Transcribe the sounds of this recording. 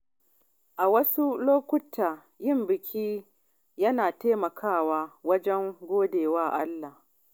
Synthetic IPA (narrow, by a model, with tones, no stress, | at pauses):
ʔa˨wɐ˦su˦loː˦kʷʊ˦tʰaː˨ | jɪ˦mbɪ˨kʲʰiː˦ | jɐ˦naː˨teː˦mɐ˨kʰaː˦˨waː˦wɐ˦d͡ʒɛ˦ŋɡʷoː˦deː˨waː˦ʔa˦lːa˨h